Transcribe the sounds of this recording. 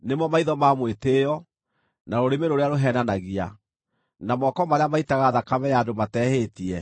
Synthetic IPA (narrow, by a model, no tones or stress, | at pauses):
nemɔmaiðɔmamwetejɔ | naɾoɾemeɾoɾeaɾoɦɛːnanaɣia̰ | namɔkɔmaɾeamaitaɣaðakamɛjaːdomatɛːhetiɛ